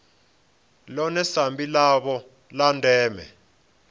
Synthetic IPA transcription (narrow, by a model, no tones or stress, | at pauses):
lɔnɛsambʱʼilaɓɔ | lantʼɛːmɛ̰